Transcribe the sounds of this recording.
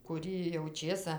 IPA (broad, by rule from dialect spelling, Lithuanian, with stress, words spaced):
kʊˈrʲiː jɛʊ ˈt͡ʃʲeːsɐ